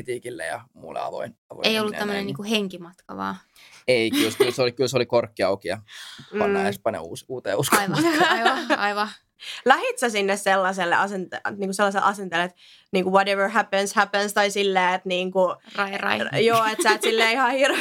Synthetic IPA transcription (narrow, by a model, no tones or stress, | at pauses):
it̪iːkilːḛjɑ̰mṵlːḛɑ̰ʋo̰inɑ̰ʋo̰eijolːut̪ːæmːəneniːŋkuheŋkimɑt̪kɑ̰ʋɑ̰ː | eikylkylseolikylsolikorkːiɑukiɑmɑːspɑnḛṵːsuːt̪ḛjuskojʋɑɑiʋɑ | læhit̪sæsinːesselːɑselːḛʔɑsent̪niːŋkuselːɑselʔɑsent̪elet̪ | niːŋkuwoteʋə˞ɦæpənshæpə̃nst̪ɑisilːeːet̪niːŋkurɑirɑ̰ijoːetsæet̪silːeːihɑhir